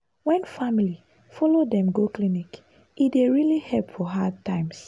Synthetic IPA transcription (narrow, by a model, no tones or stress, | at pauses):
wɛ̃nfamili | fɔlodɛ̃mɡoklinik | ideɹilihɛlpfɔɦad̚tʰãɪ̃ms